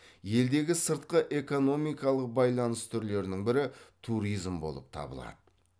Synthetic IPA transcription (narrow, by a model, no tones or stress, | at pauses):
je̞ld̪e̞ɡʲɪsəɾt̪̚qəʔe̞ko̞no̞mijkɑlˠəq̚bɑjlˠɑnəst̪ʰʏɾle̞ɾɪnɪŋbɪɾɪt̪ʰuɾijzmbo̞̰lˠə̰p̚t̪ʰɑ̰bə̰lˠɑ̰d̪̥ə